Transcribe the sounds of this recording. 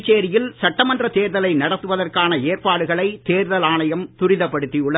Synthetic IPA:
t͡ʃːeːɾɪjɪlsɐʈːɐmɐndrɐt̪eːɾðɐlɐɪnɐɽɐt̪ːɯʋɐðɐrkaːnɐeːrpaːɽɯɣɐɭɐɪt̪eːɾðɐlaːɳɐjɐmt̪ʊɾɪðɐpːɐɽɯt̪ːiʊɭːɐ

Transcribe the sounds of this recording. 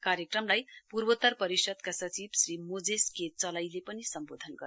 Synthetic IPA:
kaɾjekrʌmlajpurbʌt̪ʌrpʌɾisʌd̪kasʌt͡sibsrimod͡zesket͡sʌlʌjlepʌnisʌmbod̪ʱʌnɡʌ

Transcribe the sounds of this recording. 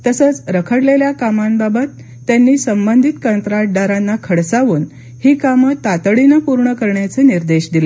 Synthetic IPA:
t̪əsət͡sɾəkʰəɽleljakamambabət̪ː | janːiːsəmbənd̪ʱit̪kənt̪ɾaʈ̚ɖaɾanːakʰəɽsaʋuːn | hiːkamət̪ːat̪əɭinəpuɾɳəkəɾɳjat͡seniɾd̪eɕd̪ile

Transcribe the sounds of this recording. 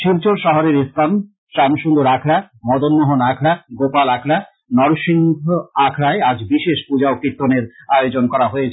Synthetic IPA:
ʃiɾt͡ɕoɾʃɔɦoɾeɾist̪ʰan | ʃamʃund̪oɾakʰɽa | mɔd̪onːoɦonakʰɽaɡopalakʰɽa | nɔɾʃiŋɡ̪ʱoakʰɽaead͡ʑbiʃeʃpud͡ʑaokɾit̪ːoneɾajod͡ʑonkɔɾaɦoet͡ɕʰ

